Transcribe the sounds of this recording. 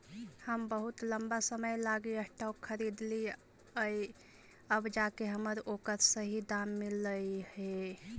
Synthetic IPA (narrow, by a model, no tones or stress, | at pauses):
həmbəɦut̪ləmbasəməjlaɡiəsʈakkʰːəɾid̪li | əj | əbd͡ʒakeɦəməɾokəɾsəɦid̪amːiləjhe